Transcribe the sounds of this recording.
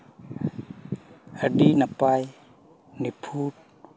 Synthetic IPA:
adinapaj | nipʰut̚

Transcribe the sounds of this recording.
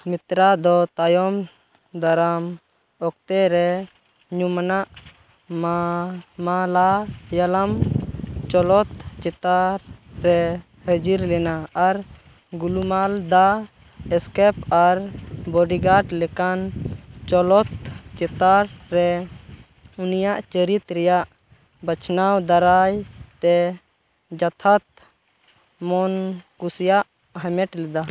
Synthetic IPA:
mit̪ɾad̪ɔt̪ajɔm | d̪aɾam | ɔk̚t̪ɛɾɛ | ɲumanaʔ | m | malajalam | t͡ʃɔlɔt̪t͡ʃɛt̪aɾːɛ | həd͡ʒiɾlɛnaːɾ | ɡulumald̪a | ɛskɛpʰaɾbɔɖiɡaʈlɛkant͡ʃɔlɔt̪t͡ʃɛt̪aɾɾɛ | unijaʔt͡ʃəɾit̪ɾɛjaʔ | bət͡ʃʰnawd̪aɾajt̪ɛ | d͡ʒat̪ʰat̪̚ | mɔnkusjaʔ | ɦɛmɛʈlɛd̪a

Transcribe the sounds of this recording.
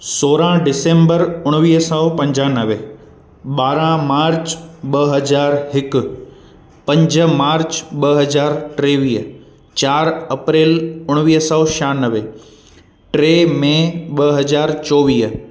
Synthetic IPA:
soːɾãɖɪsẽːmbəɾʊɽ̃ʋiːɦsəpɐ̃ɲd͡ʑãːnəʋe | ɓaːɾãmaːɾt͡ɕɓɐɦɐzaːɾɦɪkʊ̆ | pɐ̃ɲd͡ʑəmaːɾt͡ɕɓɐɦɐzaːɾʈɾeːʋiːɦ | t͡ɕaːɾɐpɾeːlʊɽ̃ʋiːɦsəʃaːnəʋe | ʈɾeːmẽɓɐɦɐzaːɾt͡ɕɔːʋiːɦ

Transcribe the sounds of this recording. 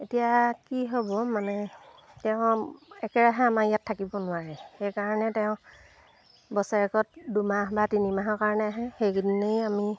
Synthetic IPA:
etijakiɦobɔmanɛ | tɛʊ̃ɛkɛɹaɦɛamajatʰːakibɔnʊwaɹɛxejkaɹɔnɛtɛʊ̃ | bɔsaɹɛkɔt̚dumaɦbatinimaɦɔkaɹɔnɛaɦɛxejkidinejami

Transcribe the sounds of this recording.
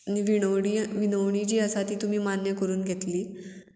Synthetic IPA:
niʋioɽiʋinəʋɳ̃id͡ʑiːəsat̪iːt̪um̤iːmanjəkəɾuːnɡʱet̪liː

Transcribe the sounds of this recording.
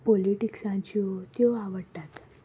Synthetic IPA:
poliʈiksãɲt͡ɕiot̪joaʋəɽʈ̪at̪

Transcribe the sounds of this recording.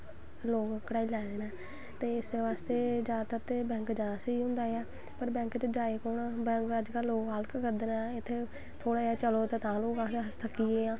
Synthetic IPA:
loːkkəɽaːilɛːd̪eːnaː | t̪eːɪsd̪eːʋaːst̪eːd͡ʒaːd̪t̪ət̪eːbɛ̃ːŋkd͡ʒaːd̪aːsəiːɦʊ̃nd̪aːaː | pəɾbɛ̃ːŋkt͡ʃəd͡ʒaːeːkoːnbɛ̃ːŋkəd͡ʒkəlːoːkɦalkkəɾd̪eːnaːɪt̪ʰːeː | t̪ʰoːɽaːd͡ʒaːt͡ʃəloːt̪eːt̪ãːloːɡaːeəst̪ʰəkːiːeːãː

